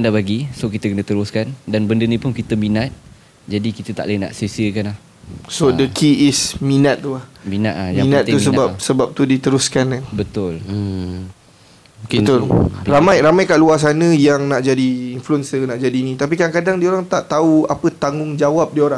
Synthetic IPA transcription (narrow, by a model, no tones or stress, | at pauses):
andaʔbaɡisokit̪əkənə̃t̪əɾʊskandanbəndənipʊnkit̪əmĩnat̪̚ | d͡ʒadikit̪ət̪a̰ʔlaina̰ʔsesiəkanlah | sodəkʰiːsmĩnat̪̚t̪ːulahminat̪ajmaĩnãt̪̚ːusəbap̚səbap̚t̪udit̪əɾʊskanabət̪ʊl̩ | ət̪ʊlramajɾamajkaʔluas̬anə̃jaŋnaʔd͡ʒadiːnfluənsənaʔd͡ʒadinĩt̪ap̬ikaaŋkadaŋdioɾaŋt̪aʔt̪auapət̪aŋʊŋd͡ʒawap̚dioɾa